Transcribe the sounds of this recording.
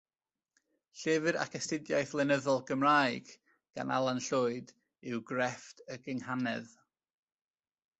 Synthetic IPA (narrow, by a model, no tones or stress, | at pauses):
ɬɛvɨɾa̰kʰɛstɪdjajθlˠɛnəðɔlˠɡəmraɨɡ̥ | ɡ̥a̰na̰lˠanɬʊɨd | ɪwɡrɛftʰəɡɪŋhanɛ̰ð